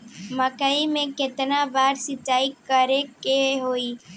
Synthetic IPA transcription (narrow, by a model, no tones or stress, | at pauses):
məkəimẽkɪt̪nabaːɾsɪt͡ʃaːikəɾekeɦoːiː